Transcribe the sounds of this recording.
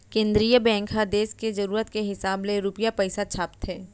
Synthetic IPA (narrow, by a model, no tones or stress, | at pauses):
kẽːnd̪ɾijəbɛ̃ːŋkɦad̪eːskezɐɾuːɾət̪keɦɪsaːbleɾʊpijapɛɪsat͡ʃʰaːpt̪ɦɛː